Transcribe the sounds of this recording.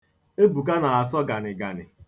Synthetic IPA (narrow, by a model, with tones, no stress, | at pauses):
e˦bu˨k̬a˦na˨a˨sɔ˦ɡa˨nɪ˨ɡa˨nɪ̰˨